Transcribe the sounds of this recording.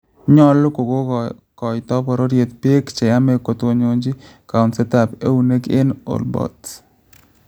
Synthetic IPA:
ɲɔ˦lo˦ko˨ɡo˦ | kɔ˨jt̪ɔ˦pɔ˨ɾo˦ɾje˨t̪pje˦kt͡ʃɛ˨ja˦me˦ko˨t̪o˨˦ɲo˦ɲd͡ʒi˦ka˨ʊ˨nsɛ˦t̪a˨pe˦u˨ne˦ke˦no̰˨lbɔ̰˨t̪

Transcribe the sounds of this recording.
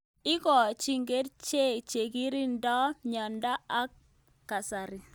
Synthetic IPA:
ɪ˦kɔ˨t͡ʃi˦ŋɡe˦dt͡ʃe˦˨t͡ʃe˨ki˦ɾi˦ndɔ˦ɲɔ˨nda˦a˦kː | a˨sa˨ɾi˨

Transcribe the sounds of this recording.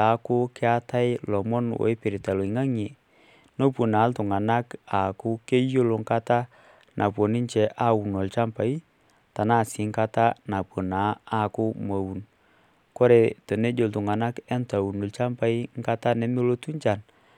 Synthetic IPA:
ta˨˦kʊ˦kɛ˦a˦ta˦ɪ˦lɔ˨mɔ˦nwo̰˨i˦pɪ˨ɾi˨ta˨lo˨i˨ŋa˦ŋi˨ | no˦po˨na˨˦ltʊ˨ŋa˨na˦ka˨kʊ˦ke˦jo˦lo˨ŋ˦ka˦ta˦ | nʔa˨po˨ni˦ɲt͡ʃɛ˨ʔa˦˨wu˨no˨lt͡ʃa˦mpa˨i˦ | ta˨na˦˨sɪ˨˦ŋka˦ta˦na˨po˨naː˨˦˨kʊ˦ma˨wu˨n | ko˦ɾe˨to˨ne˦d͡ʒo˨ltʊ˨ŋa˨na˦kɛ˦nta˨wu˨no˨lt͡ʃa˦mpa˦i˦ŋ˦ka˦ta˦ne˨mi˦lo˦tu˦ɲt͡ʃa˨n

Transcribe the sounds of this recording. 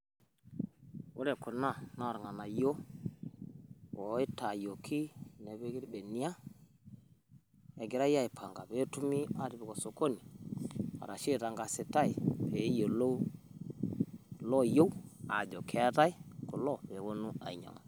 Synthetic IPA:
wu˦ɾɛ˨ku˨na˦˨na˨˦˨ɾŋa˨na˨jo˦ | wɔ˨˦i˦ta˨jo˨kʰi˦nɛ˨bɛ˦ɡi˦ɾbɛ˨ni˦a˦ | ɛ˨ɡɪ˨ɾa˦ja˦i˨pʰa˨ŋɡa˨bɛ˦tu˦mi˦a˨ɾi˨bɪ˨kɔ˨so˨ko˦ni˨ | a̰˨ɾa˨ʃi˦ta˨ŋɡa˨sɪ˨ta˦i˨pe˨˦jo˨lo˦ | lɔ˦jo˦wa̰˨d͡ʒɔ˨kʰɛ˦ta˦i˦kɔ˨lɔ˦˨pɛ˨wo˦nu˦a̰˨i˨ɲa̰˨ŋ˨

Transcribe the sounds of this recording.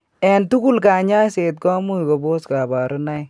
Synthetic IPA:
ɛ˨ntu˦ku˦˨lkaː˨ɲa˦se˨t̚kɔ˦mu˦jkɔ˨bo˦ska˨ba˨ɾʊ˦na˦j

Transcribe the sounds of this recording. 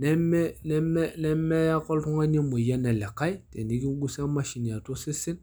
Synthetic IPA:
nɛ˦mɛ˦nɛ˦mɛ˦nɛ˦mɛ˦ja˦kɔ˦ltu˦ŋa˦ɲi˦mu˨ja˦nɛ˨lɛ˨ka˦jtɛ˨ni˦ɡi˦ɡu˦sa˦ma˦ʃi˨ni˨ja˨to˦si˦si˦n

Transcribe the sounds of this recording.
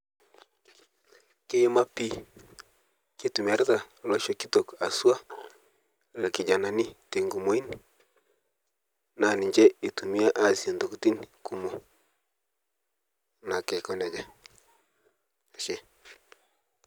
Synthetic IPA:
ke˦ma˦pi˦ | ke˦tu˨mi˨a˨ɾta˨lɔ˨ʃɔ˦ki˦to˨ka˨swa˦ | la˨ki˨d͡ʒa˨na˨ni˦te˨ŋɡu˨mo˨˦i˦n˨ | na˨ni˨ɲd͡ʒɛ˦e˨tu˨mi˦a˦ʔa˨si˨a˨ndo˨kti˦nku˨mo˨ | na˨kɛ˨kɔ˦nɛ˨d͡ʒa˨ | a˨ʃɛ˦

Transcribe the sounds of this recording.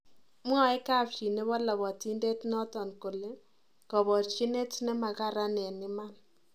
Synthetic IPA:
mwɔ˦˨˦e˦ka˦pt͡ʃi˨ne˦βɔ˦lɔ˨βɔ˨ti˦nde˦tnɔ˦tɔ˨nko˨le˦ | kɔ˨βɔ˨t͡ʃi˦ne˦tne˦ma˨ka˦ɾa˦nɛ˨nɪ˦ma˦n

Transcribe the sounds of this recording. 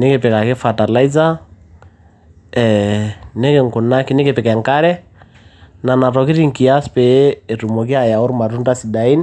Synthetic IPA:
nɪ˦kɪ˨pɪ˨ka˨kɪ˦fa˨ta˨la˦i˦za˦ | ɛne˦kɪ˨ŋkʊ˨na˦kɪ˦nɪ˦kɪ˨pɪ˨kɛ˨ŋka˦ɾɛ˦ | na˨na˨tɔ˨kɪ˦ɾi˦ŋki˨a˦spɛː˦˨tu˨mɔ˨k̬i˦a˨ja˨ʊ˦ɾma˨ɾu˦nda˦si˨da˨i˦n

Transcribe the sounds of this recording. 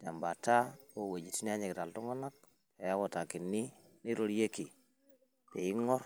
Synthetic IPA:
d͡ʒa˨mba˨ta˦o˦˨we˨d͡ʒi˨ti˦ni˦a˦ɲi˨kta˨ltu˦ŋa˦na˦k̚ | te˨ja˦ko˨ta˨ki˨nːi˦ | ni˦ɾo˦ɾje˦ki˨ | te˨ji˦ŋɔ˦ɾ

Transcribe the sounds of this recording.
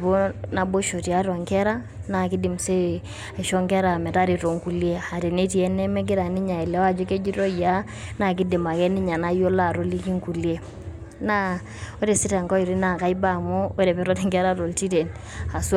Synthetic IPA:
bo˦na˨bo˦ʃo˨ti˨a˦ɾwa˨ŋkɛ˦ɾa˦ | na˦˨ki˦di˨mse˦˨ | ʃɔ˦ŋkɛ˦ɾa˨mɛ˨ta˦ɾi˨to˨ŋku˨lje˦a˨ɾe˨ne˦ti˨ɛ˦nɛ˦mɛ˦ɡɪ˦ɾa˨ni˦ɲa˨ɛ˨lɛ˨˦wa˦d͡ʒo˦ke˦d͡ʒi˦ɾo˦˨ja˦ | na˦˨k̬ɪ˦dɪ˨ma˨kɛ˦nɪ˦ɲa˨na˦jo˦la˦˨ɾo˦li˦ki˦ŋku˨lie˦ | na˦ | o˦ɾe˨si˦ta˨ŋkɔ˦i˨ɾi˦na˨ka˨˦i˦ba˦˨mo˦o˦ɾɛ˨pɛ˨˦ɾɔ˦ɾɛ˦ŋɡɛ˦ɾa˦ɾo˨lti˦ɾe˨n | a˨s

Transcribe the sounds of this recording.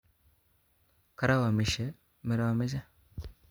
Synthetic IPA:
ka˨ɾa˦wa˨mi˨ʃe˦ | mi˨ɾa˨wa˨me˦za˦

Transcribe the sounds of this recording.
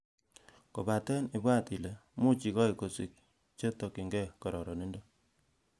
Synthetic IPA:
ko˨ba˨tɛ˦ni˨bwa˦ti˨le˨mu˦t͡ʃi˨kɔ˦i˨ko˨si˨k̚ | t͡ʃe˦tɔ˨ki˨ŋɡɛ˦˨kɔ˨ɾɔ˨ɾɔ˨ne˦ndo˦

